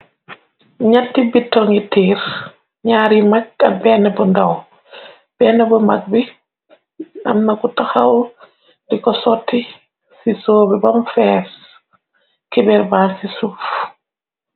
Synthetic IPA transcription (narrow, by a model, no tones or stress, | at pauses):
ɲatːibitːɔŋitiːɾ | ɲaːɾimak̚ɐbɛnɐbundɐw | b̥ɛːnɐbumak̚bi | ɐ̰mnɐkutaxaw | dikɔsɔtːi | sisoːbibɐmfɛːɾ | kibɛɾbaːnsisuf